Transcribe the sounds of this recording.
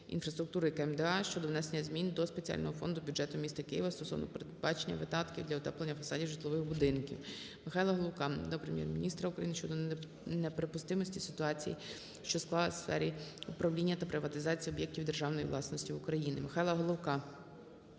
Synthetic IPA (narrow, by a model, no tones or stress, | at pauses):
ḭnfɾɐst̪ɾʊk̚t̪uɾɪikɛmd̪ɛɑʃt͡ʃɔd̪ɔwnɛsenʲːɐzmʲind̪ɔspet͡sʲia̰lʲnɔɦɔfɔnd̪ʊbʲudʒɛt̪ʊmʲist̪ɐkɪjiʋɐst̪ɔsɔ̰wnɔ̰peɾedd̪̚bɑt͡ʃenʲːɐ̰ʋɪd̪ɑt̪kʲiwd̪lʲɐɔt̪ɛplˠenʲːɐfɐsɑdʲiwʒɪt̪lˠɔʋɪxbʊd̪ɪnkʲḭw | mɪxɑjlˠɐɦɔlˠɔwkɑd̪ɔpɾemʲjɛ̰rmʲinʲist̪ɾɐukɾɐjinɪʃt͡ʃɔd̪ɔ | nepɾepʊst̪ɪmɔsʲtʲisɪ̥t̪ʊɑt͡sʲijḭ | ʃt͡ʃɔsklˠɑlˠɐsfɛ̰ɾʲiʊpɾɐwlʲinʲːɐt̪ɐpɾɪʋɐt̪ɪzɑt͡sʲijiɔbʲjek̚tʲiwd̪erʒɑwnɔjiʋlˠɑsnɔsʲtʲiʊkɾɐjinɪmɪxɑjlˠɐɦɔlˠɔwkɑ